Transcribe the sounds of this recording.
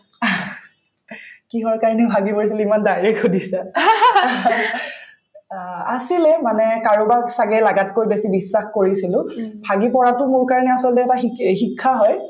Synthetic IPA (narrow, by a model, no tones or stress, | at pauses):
kiɦɔɹkaɹnɛʊbʱaɡipoɹis̬ilimandajɹɛkʰudisa | a̰silɛmanɛkaɹubaksaɡɛlaɡat̚kojbesibisːaxkoɹisilʊ̃bʱaɡipɔɹatʊmoɹkaɹnɛasɔlɔtɛːtaxixikʰːaɦɔj